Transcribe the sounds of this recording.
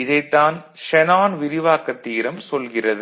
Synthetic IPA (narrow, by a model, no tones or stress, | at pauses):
ɪðɐɪt̪ːaːn | ʂɛnaːnʋɪɾɪʋaːkːɐt̪ːiːɾɐmsɔlɣɪrɐðɯ